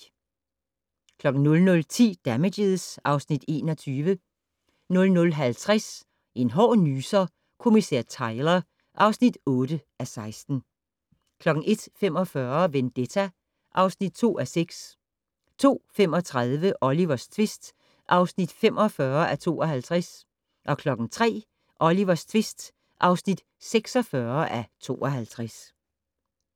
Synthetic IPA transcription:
kʰlɒ̽ɡ̥n̩nɔ̽lnɔ̽lt͡sʰḭːd̥æmedeðˠsɑ̈ʊsnid̥e̝̰ːnɒ̽t͡sʰyːʋə | nɔ̽lnɔ̽lɦælt͡sʰʁas | ʔe̝nɦɒ̰ːnyːsɐ | kʰo̝misæ̰ɐ̰t͡sʰɑ̈ɪlɐ | ʔɑ̈ʊsnid̥ɔ̽ːd̥əʔæsɑ̈ɪsd̥n̩ | kʰlɒ̽ɡ̥ŋ̩ʔe̝d̥fem̰ɒ̽fɶɐʋend̥et͡sʰæ | ʔɑ̈ʊsnid̥t͡sʰo̝̰ːʔæseɡ̥s | t͡sʰo̝̰ːfem̰ɒ̽t͡sʰʁaðˠʋəʔɒ̽liʋɐst͡sʰʋe̝sd̥ | ʔɑ̈ʊsnid̥fem̰ʔɒ̽fɶɐʔæt͡sʰo̝̰ːɒhælt͡sʰʁas | ʔɒ̽kʰlɒ̽ɡ̥n̩t͡sʰʁɛ̰ː | ʔɒ̽liʋɐst͡sʰʋe̝sd̥ | ʔɑ̈ʊsnid̥ | seɡ̥sɒ̽fɶɐʔæt͡sʰo̝̰ːʔɒ̽ɦælt͡sʰʁas

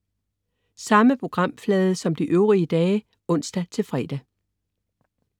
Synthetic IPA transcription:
sɑ̈məpʰʁo̝ɡ̥ʁɑ̈m̰flɛːð̞ˠəsɒ̽md̥iʔøʊʁiəd̥ɛː | ɔ̽n̰sd̥æt͡sʰe̝lfʁɛ̰ːd̥æ

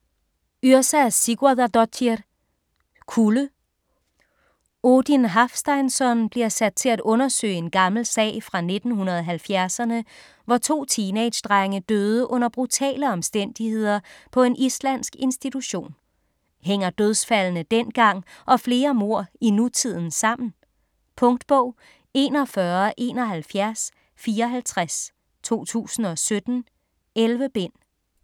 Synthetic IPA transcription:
yɐsæsiɡ̥uæðˠdɒt͡sʰi | kʰulə | od̥inɦɑfsd̥ɑɪnsɒ̽nb̥liɐsæd̥̚t͡sʰe̝læd̥ɔ̽nɐsø̰ːɪe̝nɡ̥ɑ̈ml̩sɛ̰ːɪfʁɑ̈ne̝d̥n̩ɦunɐð̞ˠɒɦælfjæɐsɐnə | ʋɒt͡sʰo̝̰ːt͡sʰiːned̥ɕd̥ʁɑŋəd̥øːð̞ˠəʔɔ̽n̰ɐb̥ʁut͡sʰɛ̰ːləɒ̽msd̥en̰d̥ihe̝ð̞̰ˠɐpʰɒ̽e̝nʔislæn̰sɡ̥e̝nsd̥it͡sʰuɕo̝̰ːn | ɦeŋ̰ɐd̥øð̞ˠsfælnəd̥en̰ɡ̥ɑ̈ŋ̰ʔɒ̽fle̝ːɐmo̝ɐ̰inut͡sʰið̞̰ˠn̩sɑ̈m̰n̩ | pʰɔ̽ŋd̥b̥ɔʊ̰ | e̝̰ːnɒ̽fɶːɐʔe̝ːnɒ̽ɦælfjæɐs | fiːɐɒɦælt͡sʰʁas | t͡sʰo̝̰ːt͡sʰṵːsn̩ɒ̽sød̥n̩ | elʋəb̥e̝n̰

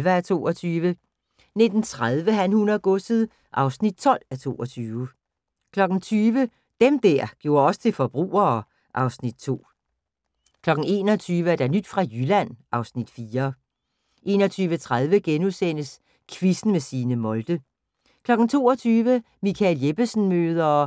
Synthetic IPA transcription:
ʋææt͡sʰo̝̰ːɒt͡sʰyːʋə | ned̥n̩t͡sʰʁaðˠʋəɦænhunɐɡ̥ɔsð̩ˠ | ʔɑ̈ʊsnid̥̚t͡sʰɒ̽l̰æt͡sʰo̝̰ːɒ̽t͡sʰyːʊə | kʰlɒ̽ɡ̥n̩t͡sʰyːʋə | d̥emd̥æɐ̰ɡ̥jo̝̰ɐɒ̽sə̥t͡sʰe̝lfɒ̽b̥ʁṵːɐː | ʔɑ̈ʊsnid̥̚t͡sʰo̝̰ː | kʰlɒ̽ɡ̥n̩e̝̰ːnɒ̽t͡sʰyːʋəæɐd̥ænyd̥fʁɑ̈jylæn̰ʔɑ̈ʊsnid̥fiːɐ | ʔe̝̰ːnɒ̽t͡sʰyːʋət͡sʰʁaðˠʋəɡ̥enusen̰əs | kʰʋisn̩mesiːnəmɒ̽ld̥ə | kʰlɒ̽ɡ̥n̩t͡sʰo̝̰ːɒt͡sʰyːʋə | mikʰæljeb̥əsn̩møːð̞ˠɐ

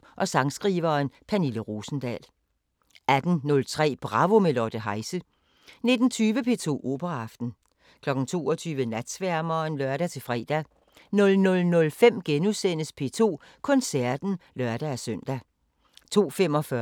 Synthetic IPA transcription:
ʔɒ̽sɑ̈ŋsɡ̥ʁiːʋɐːnpʰæniləʁoːsn̩d̥ɛ̰ːl | æd̥n̩nɔ̽lt͡sʰʁɛ̰ːb̥ʁɑ̈ʋo̝melɒd̥əɦɑ̈ɪsə | ne̝d̥n̩t͡sʰyːʋəpʰe̝̰ːt͡sʰo̝̰ːʔo̝̰ːb̥ɐʁɑ̈fd̥n̩ | kʰlɒ̽ɡ̥n̩t͡sʰo̝̰ːɒ̽t͡sʰyːʋənæd̥sʋæɐmɐnlœɐɾ̥æt͡sʰe̝fʁɛ̰ːd̥æ | nɔ̽lnɔ̽lnɔ̽lfem̰ɡ̥enusen̰əspʰe̝̰ːt͡sʰo̝̰ː | kʰɔ̽nsæɐ̰d̥n̩lɶɐd̥ææsœn̰d̥æ | t͡sʰo̝̰ːfem̰ɒ̽fɶ

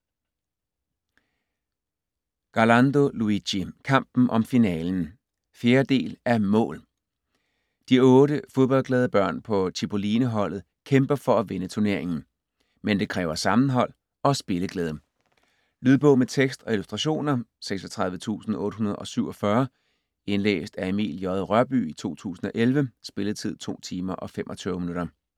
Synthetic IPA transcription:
ɡ̥ɑlɑnd̥o̝luiɕikʰɑ̈m̰b̥n̩ʔɒ̽mfinɛːln̩ | fje̝ːɐd̥e̝̰ːlæɐmɔ̰̽ːl | d̥iɔ̽ːɾəfo̝ðˠb̥ɒ̽l̰ɡ̥lɛːð̞ˠəb̥ɶɐ̰npʰɒ̽t͡sʰib̥o̝liːnəɦɒ̽l̰ð̞̩ˠkʰemb̥ɐfɒ̽æʋe̝nət͡sʰuɐne̝ɐ̰eŋn̩ | mend̥e̝kʰʁɛːʊɐsɑ̈mn̩ɦɒ̽l̰ | ɒ̽sb̥e̝ləɡ̥lɛːð̞ˠ | lyðˠb̥ɔ̽ʊ̰met͡sʰeɡ̥sd̥ɒ̽ilusd̥ʁɑ̈ɕo̝̰ːnɐseɡ̥sɒt͡sʰʁɑ̈ðˠʋət͡sʰṵːsn̩ɔ̽ːɾə̥ɦunɐð̞̩ˠɒ̽syʊ̰ɒ̽fɶɐ | e̝nlḛːsd̥æemḭljɒðˠʁɶɐb̥y̰ːit͡sʰo̝̰ːt͡sʰṵːsn̩ɒ̽ʔelʋəsb̥e̝ləðˠt͡sʰið̞̰ˠt͡sʰo̝̰ːt͡sʰiːmɐʔɒ̽femʔɒ̽t͡sʰyʊminuɾɐ

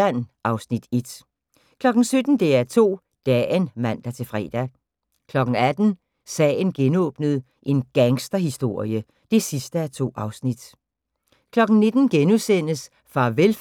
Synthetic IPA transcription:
ænʔɑ̈ʊsnid̥e̝d̥ | kʰlɒ̽ɡ̥n̩sød̥n̩d̥e̝æɐt͡sʰo̝̰ː | d̥ɛnmæn̰d̥æt͡sʰe̝fʁɛ̰ːd̥æ | kʰlɒ̽ɡ̥ŋ̩æd̥n̩ | sɛ̰ːn̩ɡ̥enɔ̰̽ːb̥nəð̞̩ˠ | ʔe̝nɡ̥æŋsd̥ɐɦisd̥o̝ɐ̰jə | d̥e̝sisd̥əæt͡sʰo̝̰ːɑ̈ʊsnid̥ | kʰlɒ̽ɡ̥n̩ne̝d̥n̩ɡ̥enusen̰əs | fʁɑ̈ʋel

